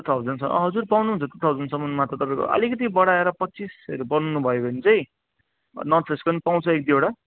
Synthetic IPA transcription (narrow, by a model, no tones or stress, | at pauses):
t̪ʰʌbd͡zʌnsʰʌʌ̰ɦʌd͡zurpawnuɦũnt͡sʰʌt̪et̪ʰʌwd͡zʌnsʌmʌnmat̪ʌt̪ʌpãĩko̰ʔʌ̰likʌt̪̬ibʌɽaeɾʌpʌtːt͡sisʌ̰ɾubʌnunubʱʌjobʱʌnit͡sʌj̃ | nʌsʰeskonipaw̃t͡sʰʌek̚d̪ieɽa